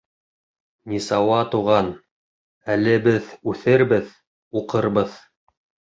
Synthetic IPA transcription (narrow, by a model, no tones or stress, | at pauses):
nʲisɑwɑt̪uʁɑn | ælɘbɘðʉθɘɾbɘð | uqɤɾbɤð